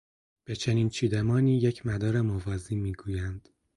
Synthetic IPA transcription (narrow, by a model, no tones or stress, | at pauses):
b̥e̞t͡ʃʰe̞niːnt͡ʃʰiːd̪emɒːniːjecʰmæd̪ɒːɾemovɒːziːmiːɡuːjænd̪̥